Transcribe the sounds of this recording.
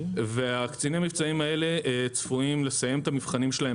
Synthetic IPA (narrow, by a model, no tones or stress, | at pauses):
veakt͡sinimamivt͡saimae̞le̞t͡sfuimle̞saje̞met̪amivχanimʃe̞lae